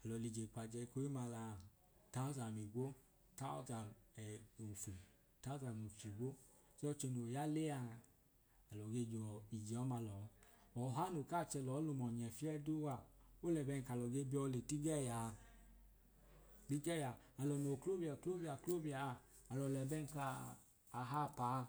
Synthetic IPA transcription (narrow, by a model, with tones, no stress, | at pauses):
a˨lɔ˨li˨d͡ʒe˨k͡pa˨d͡ʒɛ˧ko˨˦i˦ma˧la˧˨ | ta˦ɔ˦za˨mi˨ɡo˦ | ta˦ɔ̰˦za˨ɛ˨o˨fu˨ | ta˦za˨mu˨t͡ʃi˨ɡʷo˦ | sɛ˦ɔ˧t͡ʃe˧no˨ja˦le˦a˧ | a˨lɔ˨ɡe˧d͡ʒɔ˨i˨d͡ʒe˨ɔ˨˦ma˧lɔ˨˦ɔ˨ɦa˦no˨ka˦˨t͡ʃɛ˧˨lɔ˨˦lo˧mɔ˨ɲ˨ɛ˨fi˦ɛ˦du˦wa˨o˦lɛ˨bɛ˧n˨ka˨lɔ˨ɡe˧˦bi˦ɔ˧le˨ti˦ɡɛ˦˨ja˨ | ti˦ɡɛ˦˨ja˨ | a˨lɔ˨n˨o˨klo˦bi˦˨a˨klo˦ba˨klo˦bi˧aː˨ | lɔ˨lɛ˨bɛ˦˧n˨kaː˧˨ | ɦa˦˨pa˨˦